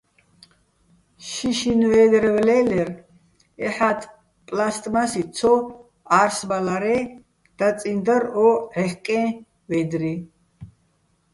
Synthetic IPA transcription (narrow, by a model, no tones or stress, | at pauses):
ʃiʃinvɛːd̪ɾɛvlɛlɛɾ | ɛħat̪ʰʼ | pʼlast̪ʼmasit͡s̪ʰɔ | aɾsbalaɾɛ | d̪̥at͡sʼind̪əɾɔʕɛχkʼɛ̃ː | vɛd̪ɾi